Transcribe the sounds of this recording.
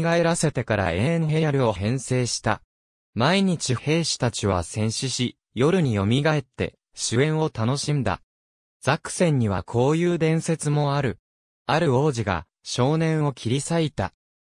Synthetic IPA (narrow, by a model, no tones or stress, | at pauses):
ɡae̞ɾase̞t̪e̞kaɾa̰ẽɦe̞ɾɯoɦẽ̞ɰ̃se̞ːɕi̥t̪a | maiɲ̟it͡ɕihe̞ːɕi̥t̪at͡ɕiβ̞a̰sẽ̞ɰ̃ɕiɕi | jo̞ɾɯ̟ɲ̟ijo̞mʲiɡae̞t̪ːe̞̰ | ɕɨẽ̞ɰ̃o̞t̪ano̞ɕĩnd̪a̰ | z̥akɯ̟̥sẽ̞ɲ̟ːiβ̞a̰kʰo̞ːjɯːd̪ẽ̞ɰ̃se̞t͡sɨmo̞aɾɯ̟ | aɾɯ̟o̞ːʑiɡa̰ | ɕo̞ːnẽ̞ɰ̃o̞kʲʰiɾʲisait̪a̰